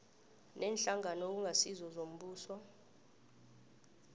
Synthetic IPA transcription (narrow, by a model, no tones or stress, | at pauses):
nɛːnɬaŋanɔk̬uŋɡʱasizɔzom̩ɓuːsɔ